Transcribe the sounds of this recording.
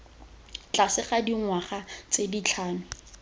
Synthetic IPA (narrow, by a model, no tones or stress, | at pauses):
t͡ɬasɪχadiŋwaχat͡sedit͡ɬʰaːnʊ